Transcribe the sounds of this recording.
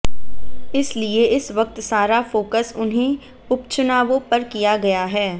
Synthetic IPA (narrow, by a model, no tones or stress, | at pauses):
ɪslieɪsʋɐk̚t̪saːɾafoːkəsʊnɦẽ | ʊpt͡ʃʊnaːʋõpɐɾkijaɡɐjaɦɛː